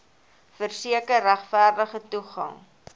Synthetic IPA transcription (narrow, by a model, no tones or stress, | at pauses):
fərsiəkərːæχfæːrdəχətuχɐ̰ŋ